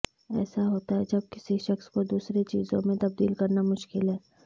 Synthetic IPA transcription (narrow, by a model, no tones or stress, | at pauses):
ɛ̰ːsaɦoːt̪aɦɛd͡ʒɐb̚kɪ̥siʃɐxskod̪uːsɾet͡ʃḭːzõmẽt̪ɐb̚d̪iːlkɐɾnamʊʃkɪlɦɛː